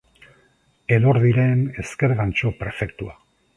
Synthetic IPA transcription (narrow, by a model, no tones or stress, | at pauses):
e̞ðo̞ɾðiɾe̞ne̞ske̞ɾɣant͡ʃo̞pɾe̞fe̞kt̪ua